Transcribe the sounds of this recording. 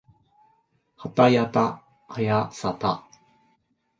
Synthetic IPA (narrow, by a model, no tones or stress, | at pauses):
hat̪ajat̪a | ajasat̪a